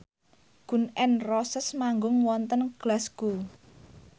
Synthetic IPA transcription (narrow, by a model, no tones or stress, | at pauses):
ɡ̥ṳnɛnrɔsəsmaŋɡʊŋwɔnt̪ənɡ̥lasɡ̥u